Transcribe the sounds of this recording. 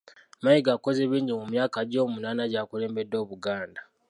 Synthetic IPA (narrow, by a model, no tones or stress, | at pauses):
majiɡako̞zeβiːɲɟimumjaːkaɟo̞ːmunaːnaɟaːkule̞ːmbe̞dːo̞ːβuɡaːnda